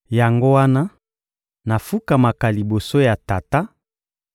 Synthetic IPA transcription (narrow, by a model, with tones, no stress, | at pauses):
ja˨ŋɡo˦wa˦na˦ | na˨fu˦ka˨ma˨ka˨li˨bo˨so˦ja˨ta˨ta˦